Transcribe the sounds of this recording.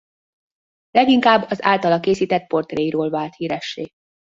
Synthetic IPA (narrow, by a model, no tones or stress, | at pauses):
lɛɡiŋkaːbːɒza̰ːlt̪ɒlɒkeːsiːt̪ɛt̪̚po̞rt̪reːjiɾoːlvaːlt̪hiːɾɛʃːeː